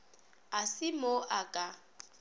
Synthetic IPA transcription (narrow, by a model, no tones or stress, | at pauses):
asɪmoʔakʼa